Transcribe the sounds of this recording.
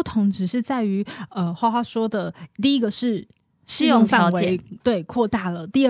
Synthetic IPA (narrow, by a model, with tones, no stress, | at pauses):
t̪ʰʊ˧˥ŋʈ͡ʂɻ̩˨˩ʂɻ̩˥˧t͡sa˥˩ɪy˧˥ə˧xwa˥˧ʊxwa˥ʂwɔ˥d̪ə˨t̪i˥˩i˦˥ɡə˨ʂɻ̩˥˩ | ʂɻ̩˥˧jʊ˥˧ŋffa˥˨˧wɪt̪we˥˩ɪkʰwɔ˥˧t̪a˥˩lə˩t̪i˥˧˥